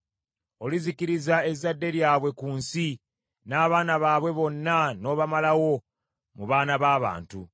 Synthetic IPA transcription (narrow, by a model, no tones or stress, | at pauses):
o̞lizikiɾizae̞zadːe̞ɾjaːβwe̞kuːnsi | naːβaːnaβaːβwe̞βo̞nːano̞ːβamalawo̞ | muβaːnaβaːβa̰ːntṵ